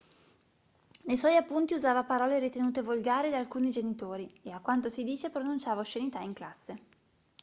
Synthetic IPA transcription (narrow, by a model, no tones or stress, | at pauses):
nejswɔjapːunt̪iuzaːvapaɾɔːleɾit̪enuːt̪evolɡaːɾid̪alkuːnid͡ʒenit̪oːɾieakwant̪̬osid̪iːt͡ʃepɾonunt͡ʃaːvaoʃːenit̪aiŋklasːe